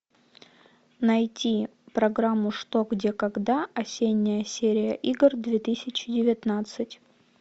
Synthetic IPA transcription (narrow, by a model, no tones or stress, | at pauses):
nɐjtʲi | pɾɐɡɾamːʊʂt̪oɡdʲekɐɡd̪aɐsʲenʲːɪjəsʲeɾʲɪjəʔiɡrd̪vʲet̪ɨsʲɪt͡ɕɪdʲɪvʲɪt̪nat̪sɨtʲ